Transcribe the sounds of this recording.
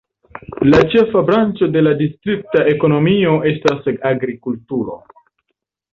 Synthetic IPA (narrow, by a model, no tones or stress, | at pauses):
lat͡ʃe̞fabɾant͡ʃo̞de̞ladistɾik̚taʔe̞ko̞no̞mio̞ʔe̞staseaɡɾikultuɾo̞̰